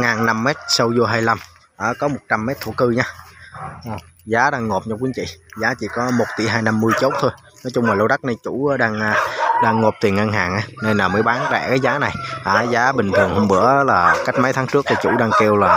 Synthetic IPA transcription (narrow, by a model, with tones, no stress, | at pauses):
ŋaː˨˩nna˧mːɛ˦˥t̚sə˧wzo˧ɦaː˧jla˧m | ʔəː˧˩kɔ˨˦mo˨˩t̚t͡ɕa˧mːɛ˦˥t̚t̪ʰṵ˧˩kɨ˧ɲaː˧ʔəː˨˩ | zaː˨˦ɗaː˧ŋːo˨˩p̚ɲa˧wkwi˨˧˥nt͡ɕḭ˧˨zaː˨˦t͡ɕḭ˧˩kɔ˨˦mo˨˩t̚t̪ḭ˧˩˥ɦaː˧jna˧mːɨ˧əjt͡ɕo˦˥t̚t̪ʰo˧j | nɔ˨˦jt͡ɕʊ˧ŋ͡mmaː˨˩lo˧ɗa˦˥k̚na˧jt͡ɕṵ˧˥˨ɗaː˧ŋː˧ɗaː˧ŋːo˨˩p̚t̪i˨˩əŋʔə˧ŋɦaː˨˩ŋʔaː˨˦nə˧jnaː˨˩mɨ̰ː˧˦jɓaː˨˦nɗa̰˧˩kaː˨˦jzaː˨˦na˨˩jʔaː˨˩zaː˨˦ɓï˨˩ŋ̟t̪ʰɨ˨˩əŋho˧ŋ͡mɓɨ̰˧˩əʔlaː˨˩ka˦˥k̚ma˨˦jt̪ʰaː˨˦ŋt͡ɕɨ˦˥ək̚t̪ʰi˨˩t͡ɕṵ˧˩ɗaː˧ŋke˧wlaː˨˩